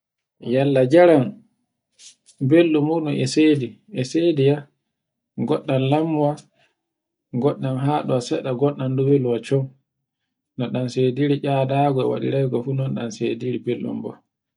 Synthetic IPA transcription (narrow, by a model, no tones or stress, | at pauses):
jalːad͡ʒaɾan | belːumuɗunɛseːdi | ɛsedija | ɡɔɗːanlamːuwa | ɡɔɗːanɦaɗuasɛɗaɡɔɗːanduweluwat͡ʃɔm | nɔɗansediɾiʔaːdaɡɔɛwa̰ɗḭɾɛjɡɔfunɔnɗanseːdiɾibelːṵmbɔ̰